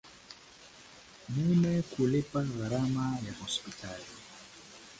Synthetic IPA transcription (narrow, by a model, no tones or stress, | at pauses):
mumɛkulipaɣaɾamajahɔspitʰali